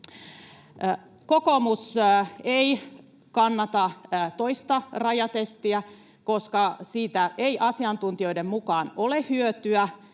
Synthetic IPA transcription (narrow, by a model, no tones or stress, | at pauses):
kokomusei | kɑnːɑt̪ɑt̪oist̪ɑrɑjɑt̪est̪iæ | ko̞skɑsiːt̪æʔeiʔɑsiɑnt̪unt̪io̞idemmukɑːnolehyøt̪yæ